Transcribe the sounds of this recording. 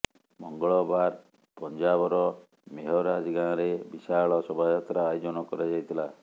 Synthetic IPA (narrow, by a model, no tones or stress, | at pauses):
mɔŋɡɔɭɔbaɾ | pɔnd͡ʒabɔɾɔ | meɦɔɾad͡ʒɡanɔɾebisaɭɔsɔbʱajat̪ɾaːjɔd͡ʒɔnɔkɔɾed͡ʒajt̪ʰila